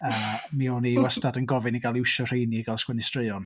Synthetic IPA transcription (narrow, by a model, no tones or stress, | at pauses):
əmiɔniwɔstadənɡɔvɪniɡalˠɪwʃɔr̥ejniɡalˠskwɛnɪstreɨɔn